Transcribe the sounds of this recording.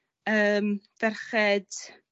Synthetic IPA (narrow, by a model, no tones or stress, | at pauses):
əːmv̥ɛrχɛd̥